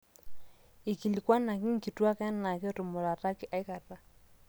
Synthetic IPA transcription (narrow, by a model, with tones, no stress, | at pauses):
i˨ki˨li˨kwa˦na˨ki˦ŋ˦ki˨twa˦kɛ˦nna˨kɪ˦ɔ˦tu˨mo˨ɾa˨ta˦ki˦ʔa˦i˦ka˨ra˦